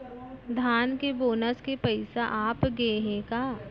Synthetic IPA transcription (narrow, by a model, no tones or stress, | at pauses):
d̪ʱaːnkeboːnəskepɐɪsaʔaːpɡeeɦekaː